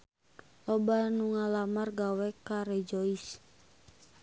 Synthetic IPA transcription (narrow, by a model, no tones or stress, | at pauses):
lɔbanuŋalamarɡawɛkaɾɛd͡ʒɔis